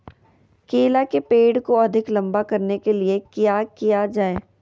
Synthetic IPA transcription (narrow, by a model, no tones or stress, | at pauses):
keːlakepeːɽkoɐd̪ʱɪklɐ̃mbakɐɾnekeliekjaːkijad͡ʒaːeː